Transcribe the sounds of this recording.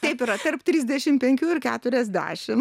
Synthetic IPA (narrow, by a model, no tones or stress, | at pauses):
t̪ɛɪpɪɾɐt̪ɐrpt̪ʲɾʲiːzʲd̪ʲɛʃʲɪmpʲɛŋʲkʲuːɪrkʲæːt̪ʊɾʲɛzʲd̪ʲæ̰ːʃʲɪm